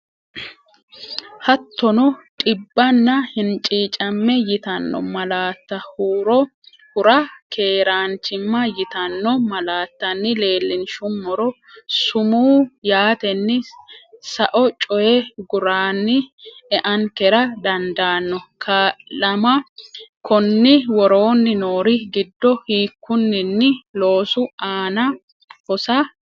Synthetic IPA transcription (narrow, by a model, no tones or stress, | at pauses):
hɐt̪ːɔnɔtʼɪbːɐnːɐhɪnt͡ʃʼiːt͡ʃʼɐmːɛjɪt̪ɐnːɔ̰mɐlaːt̪ːɐhuːɾɔ | hʊɾɐkʰeːɾaːnt͡ʃɪmːɐjɪt̪ɐnːɔmɐlaːt̪ːɐnːɪle̞ːlːɪnʃʊnmːɔɾɔ | sʊmuːjaːt̪ɛnːɪsɐʔɔt͡ʃʼɔjɛɡʊɾaːnːɪɛʔɐnkɛɾɐd̪ɐnd̪aːnːɔkʰɐlɐmɐkɔnːɪwɔɾo̞ːnːɪno̞ːɾɪɡɪd̪ːɔhiːkːʊnːɪnːɪlo̞ːsʊaːnɐ | hɔsɐ